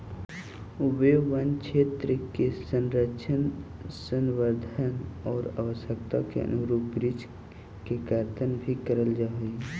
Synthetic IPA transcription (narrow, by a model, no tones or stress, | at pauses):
ʊbeʋənt͡ʃʰeːt̪ɾəkesənɾəʃʰənsənʋəɾd̪ʱənɔːɾa̰ʋəsjək̚t̪a̰kḛə̰nʊɾuːpɡɾid͡ʒ | kekaːɾt̪ənbʱikəɾəld͡ʒaːɦei